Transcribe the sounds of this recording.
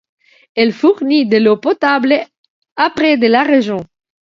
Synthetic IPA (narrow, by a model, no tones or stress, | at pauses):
ɛlfuʁnid̪əlopɔt̪ablə | apʁɛd̪əlaʁeʒjɔ̃